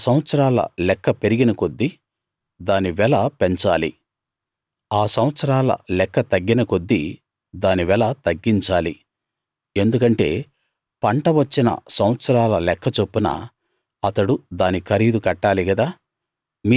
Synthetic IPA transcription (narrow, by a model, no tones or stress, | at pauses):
sɐw̃ɐt̪sɐɾaːlɐ̰lɛkːɐpe̞ɾiɡinɐko̞d̪ːi | d̪aːniʋɛlɐpeɲt͡ʃaːlḭ | aːsɐwɐt̪sɐɾaːlɐ̰lɛkːɐt̪ɐɡːinɐko̞d̪ːi | d̪aːniʋɛlɐt̪ɐɡːiɲt͡ʃaːli | e̞nd̪ukɐɳʈe̞ː | pɐɳʈɐʋɐt͡ʃːinɐ̰sɐwɐt̪sɐɾaːlɐlɛkʰːɐt͡ʃo̞pːunɐ̰ | ɐt̪ɐɽud̪aːnikʰɐɾiːd̪ukɐʈːaːliɡɐd̪aː | mi